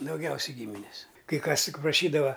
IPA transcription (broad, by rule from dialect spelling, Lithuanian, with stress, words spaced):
dɐʊˈɡʲɛʊsʲɛɪ ˈɡʲiːmʲɪnʲɪs kɐɪ ˈkɐs ˈtʲɪk prɐˈʃʲiːdɐʋɐ